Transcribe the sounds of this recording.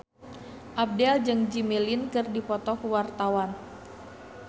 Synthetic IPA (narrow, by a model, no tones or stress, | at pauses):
ʔab̚dɛld͡ʒɨŋd͡ʒimilinkɨrdipɔt̪ɔkwart̪awan